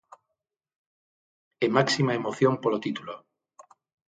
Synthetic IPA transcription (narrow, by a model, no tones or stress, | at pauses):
emaksimaemoθjompolot̪it̪ulo